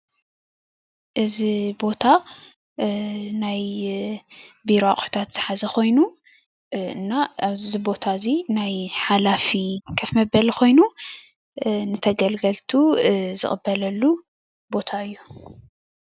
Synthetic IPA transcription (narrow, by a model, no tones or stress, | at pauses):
ʔɨzibo̞t̪ʰa | naj | biɾaχʼħu̥t̪ʰat̪z̥ɨħazɐkʰo̞jnu | ɨnːazibo̞t̪ʰazinajħalafikʰɐfmɐbɐlkʰo̞jnu | nɨt̪ʰɐɡɐlɡɐlt̪ʰuzɨ̰χʼɨbːɐlɐlːu | bo̞t̪ʰaɨjːu